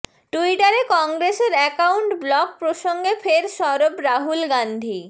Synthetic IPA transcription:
ʈuiʈaɾekɔŋɡɾeʃeɾɛkawɳʈblɔk̚pɾoʃoŋɡefʰeɾʃɔɾobɾaɦulɡand̪ʱi

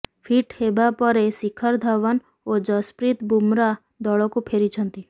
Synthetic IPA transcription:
pʰiʈhebapɔɾesikʰəɾd̪ʱaʋən | od͡ʒəspɾit̪bumɾa | d̪ɔɭɔkũpʰeɾit͡ʃʰənt̪i

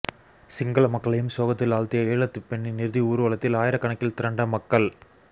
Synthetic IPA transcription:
sɪŋɡɐɭɐmɐkːɐɭɐjɯmsoːɣɐt̪ːɪlaːɭt̪ɪjɐeːɭɐt̪ːɯpːɛɳːinɪɾɯðiuːɾɯʋɐɭɐt̪ːɪlaːjɪɾɐkːɐɳɐkːɪlt̪ɪɾɐɳɖɐmɐkːɐɭ

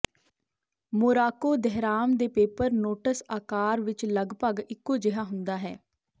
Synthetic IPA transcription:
moːɾaːkoːd̪ɛɦɾaːmd̪eːpeːpəɾnoːʈəsaːkaːɾʋɪt͡ʃləɡpəɡɪkːoːd͡ʒɪɦaːɦʊnd̪aːɦɛ̰ː

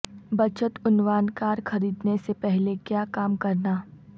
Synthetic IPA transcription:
bɐt͡ʃət̪ʊnwaːnkaːɾxɐɾiːd̪nesepɛɦlekjaːkaːmkɐɾnaː

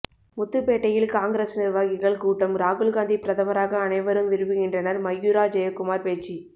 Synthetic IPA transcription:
mʊt̪ːɯpeːʈːɐjɪlkaːŋɡɾeːsnɪɾʋaːɣɪɣɐɭkuːʈːɐmɾaːɣʊɭɣaːnd̪ipɪɾɐðɐmɐɾaːɣɐːnɐɪʋɐɾɯmʋɪɾɯbɯɣɪndrɐnɐɾmɐjːuːɾaːd͡ʒɐjɐkːʊmaːɾpeːt͡ʃːi

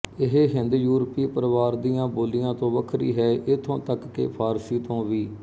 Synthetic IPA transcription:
ɪɦeːɦɪ̃nd̪juːɾəpiːpəɾʋaːɾd̪ijãːboːlijãːt̪õːʋəkʰɾḭːɦɛːʔɪt̪ʰõːt̪əkːḛːpʰaːɾsiːt̪õːʋiː

